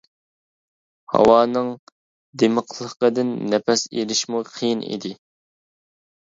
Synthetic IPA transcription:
hɑ̰wɑːnɨŋ | d̪eməqʰlˠəqəd̪ɨnːɛpɛsḛlɪʃmuqʰijinḭd̪ɪ

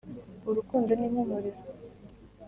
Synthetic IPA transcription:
uɾukuːndanimumuɾiɾo

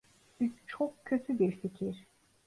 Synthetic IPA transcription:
bit͡ʃʰokcʰːø̞t̪ʰyb̪iɾsicʰiɾ̥

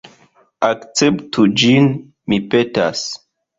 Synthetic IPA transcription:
akt͡septʰud͡ʒin | mipeta̰s

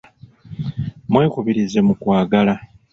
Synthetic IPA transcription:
mweːkuβiɾize̞mukwaːɡala

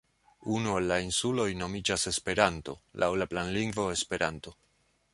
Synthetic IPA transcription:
unuelːainsulo̞jno̞mid͡ʒase̞spe̞ɾanto̞̰lʔa̰wlaplanliŋɡvo̞e̞spe̞ɾanto̞

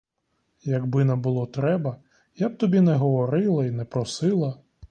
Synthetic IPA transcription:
jɐɡbɪnɐbʊlˠɔt̪ɾɛbɐ | jab̚t̪ɔbʲinɛɦɔʋɔɾɪlˠɐinɛpɾɔsɪlˠɐ

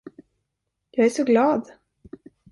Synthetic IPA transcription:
jɑːɡæʂɔɡlɑːd̪

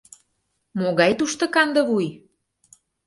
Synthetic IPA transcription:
moɣɑjt̪uʃt̪ɤ̆kɑnd̪ɤ̆βuj

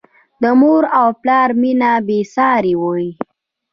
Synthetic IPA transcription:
d̪əmoɾawplɑɾminabesɑɾiwoi

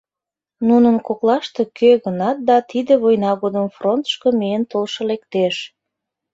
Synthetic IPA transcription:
nunənkoklɑʃt̪e̽kʰøɣənɑt̪̚d̪ɑt̪id̪eβojnɑɣod̪əmfront̪ə̥ʃkəmeənt̪olʃɤ̆lek̚t̪eʃ

